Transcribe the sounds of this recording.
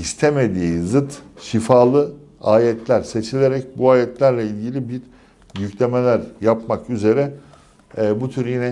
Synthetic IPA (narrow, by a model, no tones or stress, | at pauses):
ist̪ʰe̞me̞d̪iːzɯt̪ʃifaːlˠɯ | aːjɛt̪ʰlʲæɾse̞t͡ʃʰilʲeɾɛc̚buaːjɛt̪lʲæɾlʲɛilʲɟilʲibiɾ | jyclʲe̞me̞lʲæɾjapmakyze̞ɾɛ | but̪ʰyɾjinɛ